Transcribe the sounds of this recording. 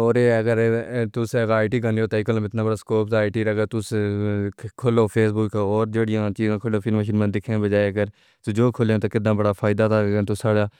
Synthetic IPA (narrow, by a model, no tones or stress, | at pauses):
ɔːɾeːəɡəɾt̪ʊseaːɪʈiːɡənoːt̪aːiːkʰəlãːɪt̪naːbəɽaːskoːp̚d̪ːɪʈiːɾəɡəɾt̪ʊs | kʰʊloːpʰeːsbʊːkɔːɾd͡ʒeːɽɪjãːt͡ʃiːzãːkʰʊloːfʰɪlməʃiːnmãːd̪ɪkʰẽːbəd͡ʒaːeəɡəɾ | t̪ːd͡ʒoːkʰʊlẽːt̪oːkɪd̪ãːbəɽaːpʰaːɪd̪aːt̪aːɡẽːt̪osaːɽaː